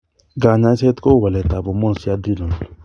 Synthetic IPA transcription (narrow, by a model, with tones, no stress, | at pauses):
ɡa˨ɲã˧˦sɛ˦tko˦˨wa˨lɛ˨ta˨bo˨mɔ̃˦n˨si˦a˦di˦lɔ̃˨n˨